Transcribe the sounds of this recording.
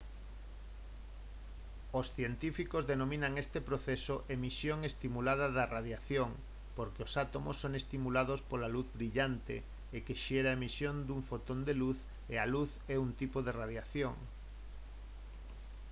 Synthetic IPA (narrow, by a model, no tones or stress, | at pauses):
osθjent̪ifikozðenomĩnaŋest̪epɾoθesoʔemisjoŋest̪imulað̞ɐðɐraðjaθjoŋ | poɾkeosat̪omosːoŋest̪imulaðospolaluθβɾiʎant̪ḛ | ekeʃeɾaemisjond̪uɱfot̪ond̪eluθ | ealuθ | ɛunt̪ipoðeraðjaθjoŋ